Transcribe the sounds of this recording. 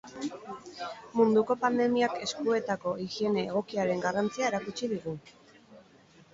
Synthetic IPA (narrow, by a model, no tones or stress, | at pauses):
mund̪uko̞pand̪e̞miake̞skue̞t̪ako̞ʔixie̞ne̞ːɣ̞o̞kiaɾe̞ŋɡarant͡siae̞ɾakut͡ʃiðiɣu